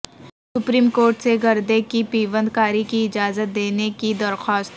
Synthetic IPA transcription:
sʊpɾiːmkoːɾʈseɡɐɾd̪ekipiːʋə̃nd̪kaːɾikiɪd͡ʒaːzət̪̚d̪eːnekid̪ɐɾxɔːst̪

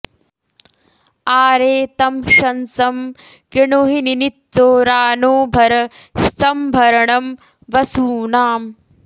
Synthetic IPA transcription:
aːɾeːt̪ɐmʃɐnsɐm | kɾiɳoɦininit̪t͡ʃoːɾaːnoːbʱɐɾɐsɐmbʱɐɾɐɳɐm | ʋɐsuːnaːm

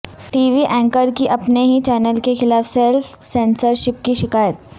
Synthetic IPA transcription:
ʈiːʋiʔɛ̃ːŋkəɾkiʔɐpneɦit͡ʃɛːnəlkexɪlaːfselfsẽːnsəɾʃɪp̚kiʃɪkaːjət̪̚

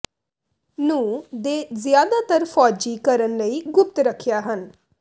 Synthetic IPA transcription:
nũːd̪eːzɪjaːd̪aːt̪əɾfʰɔːd͡ʒiːkəɾənləiːɡʊp̚t̪ɾəkʰːjaːɦən

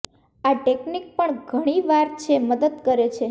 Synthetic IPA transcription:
aʈeknik̚pəɳɡʱəɽ̃iʋaɾt͡ʃʰeməd̪əd̪kəɾet͡ʃʰe

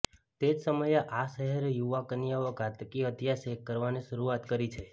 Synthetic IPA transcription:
t̪ed͡ʒsəməjʔaʃəɦeɾjuʋakənjaʋəɡʱat̪kiəd̪ʱjasekːəɾʋaniʃəɾuat̪kəɾit͡ʃʰe

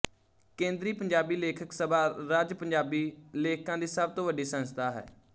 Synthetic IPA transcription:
kẽːnd̪ɾiːpəɲd͡ʒaːbiːleːkʰəksəbʱaːɾaːd͡ʒpəɲd͡ʒaːbiːleːkkãːd̪iːsəb̚t̪õːʋəɖiːsənəst̪ʰaːɦɛ̰ː

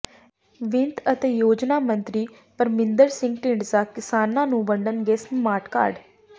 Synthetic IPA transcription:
ʋɪ̃nt̪ət̪eːjoːd͡ʒnaːmənt̪ɾiː | pəɾmɪnd̪əɾsɪ̃ŋɡʈĩːɳɖsaːkɪsaːnːãːnũːbəɳɖənɡɛːsnmaːʈka̰ːɾɖ

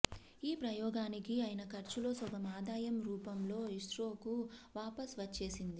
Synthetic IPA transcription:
iːpɾɐjɔːɡaːnikiɐːjinɐkɐɾt͡ʃulo̞ːsɔɡɐmaːd̪aːjɐmɾuːpɐmlo̞ːiʂɾo̞ːkuʋaːpɐsʋɐt͡ʃːe̞ːsind̪i

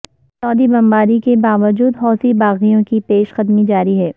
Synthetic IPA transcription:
sɔːd̪ibɐ̃mbaːɾikebaːʋəd͡ʒuːd̪ɦɔːsibaːɣijõkipeːʃxɐd̪mid͡ʒaːɾiɦɛː

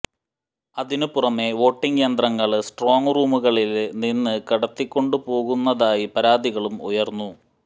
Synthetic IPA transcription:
ɐðinupurɐme̞ʋo̞ːʈːiŋɡeːnd̪rɐŋːɐɭsʈro̞ːŋruːmuɣɐɭilninːɨkɐɽɐt̪ːikʲːo̞ɳɖupo̞ːɣunːɐðaːjipɐɾaːd̪ʱiɣɐɭumṵjɐrnːu

